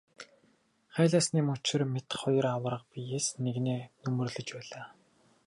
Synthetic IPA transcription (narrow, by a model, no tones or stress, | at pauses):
χæːɮaːsniːmʊt͡ɕɪ̆rmet̪χʊj̆rawə̆rə̆q̚pijeːsneɣneːnɵmɵ̆rɮɘ̆t͡ɕpæːɮaː